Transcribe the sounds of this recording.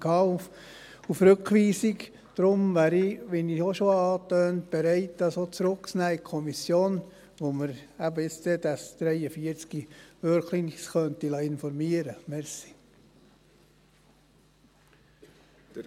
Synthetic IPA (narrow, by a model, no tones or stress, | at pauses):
kʰɑːuf | ufɾɵkχʋiːsik | d̪̥ɾʊmʋæːɾiʋɛnioʃoɑːt̪øːntb̥eɾɛɪt̚dɑsot͡sɾʊksnæːikʰɔmisjoːn | ʋoməɾæbəɪt͡stɛd̪ɑsd̪̥ɾɛjəfiəɾt͡skiʋøɾkʰlinisχœnt̪ilɑɪnfɔɾmiəɾəmɛɾsi̥